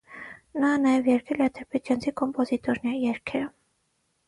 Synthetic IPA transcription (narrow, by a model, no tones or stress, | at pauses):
nɑnɑjɛvjɛɾkʰɛlɛt̪ʰɛɾpʰɛd͡ʒ̪jɑnt͡sʰikɔmpɔzit̪ɔɾnɛɾijɛɾkʰɛɾə